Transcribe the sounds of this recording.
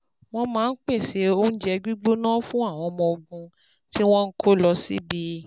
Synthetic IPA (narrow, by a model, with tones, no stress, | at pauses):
w̃ɔ̃˧mãː˨˦n̩˦k͡pe˦˨se˨˦o˦n̩˦d͡ʒɛ˧ɡ͡bi˦ɡ͡bo˦nãː˦fũ˦a˦˨w̃ɔ̃˧mɔ̃˧o˧ɡũ˧ | ti˦w̃ɔ̃˦n̩˦kʰo˦lɔ˧sḭ˦bi˧˦